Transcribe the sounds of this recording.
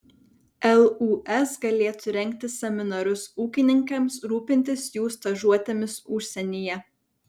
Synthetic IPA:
ɛlˠuːʔɛsɡɐlʲeːt̪ʊɾʲɛŋʲkt̪ʲɪsʲɛmʲɪnɐɾʲʊsuːkʲɪnʲɪŋkɐmsɾuːpʲɪnʲt̪ʲɪsjuːst̪ɐʒuɔt̪ʲemʲɪsʊʃʲsʲɛnʲiːjɛ

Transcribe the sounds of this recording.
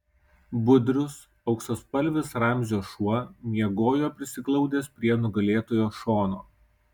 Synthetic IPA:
bʊd̪ʲɾʲʊs | ɒʊksospɐlʲʋʲɪsɾɐˑmʲzʲoːʃuɔmʲiɛɡoːjoːpʲɾʲɪsʲɪklˠɐʊd̪ʲeːspʲɾʲiɛnʊɡɐlʲeːt̪oːjoːʃoːno̰ː

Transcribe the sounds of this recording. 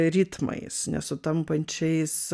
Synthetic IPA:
ɾʲiːt̪mɐ̰ɪsnʲɛ̰sʊt̪ɐmpɐnʲt͡ʃʲɛɪs

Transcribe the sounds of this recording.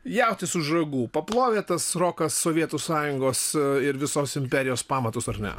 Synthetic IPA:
jɛʊt̪ʲɪsʊʒrɐɡuːpɐplˠoːʋʲeːt̪ɐsroːkɐsːoːʋʲiɛt̪uːsɑːjʊŋɡoːsɪɾʋʲɪsoːsɪmʲpʲɛɾʲɪjoːspɑːmɐt̪ʊsɐrnʲɛ̰

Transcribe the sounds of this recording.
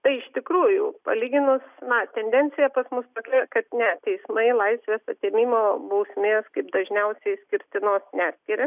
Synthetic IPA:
t̪ɐɪɪʃt̪ʲɪkɾuːjʊːpɐ̰lʲiːɡʲɪnʊsnɐt̪ʲɛnʲd̪ʲɛnʲtt͡s̪ʲɪjɛpɐsmʊsp̪ɐklʲɪkɐt̪nʲɛt̪ʲɛɪsmɐɪlˠɐɪsʲʋʲeːsɐt̪ʲeːmʲiːmoːbɐʊsʲmʲeːskɐɪpd̪ɐʒʲnʲɛʊsʲɛɪsʲkʲɪɾʲt̪ʲɪnoːsnʲæːsʲkʲɪɾʲe

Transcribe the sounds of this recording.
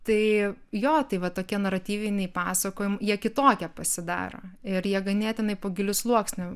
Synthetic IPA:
t̪ɐɪjoːt̪ɐɪʋɐt̪oːkʲiɛnɐɾɐt̪ʲiːʋʲɪnʲɛɪpɑːsɐkoːjɪmjiɛkʲɪt̪oːkʲɛpɐsʲɪd̪ɑ̰ːɾo̰ːɪɾjiɛɡɐnʲeːt̪ʲjɪnɐɪpoːɡʲɪlʲʊslˠuɔksʲnʲʊ

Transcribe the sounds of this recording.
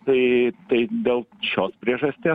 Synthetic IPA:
t̪ɐɪt̪ɐɪd̪ʲeːlˠʃʲoːspʲɾʲiɛʒɐsʲt̪ʲeː

